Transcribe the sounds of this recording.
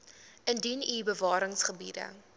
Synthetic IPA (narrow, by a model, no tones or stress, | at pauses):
ʔəndinibəvɑːɾəŋsχəbidə̰